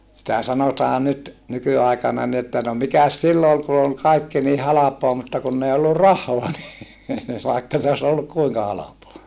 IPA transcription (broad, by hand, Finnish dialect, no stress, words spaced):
sitæ sɑnotɑː nyt nykyɑˑikɑnɑ ni etːæ no mikæs silːo ol ku ol kɑikːi ni hɑlɑpoɑ mutːɑ kunː ei olːu rɑhˑoɑ ni ʋɑˑikːɑ se os olːuk kuiŋkɑ hɑlɑpoɑ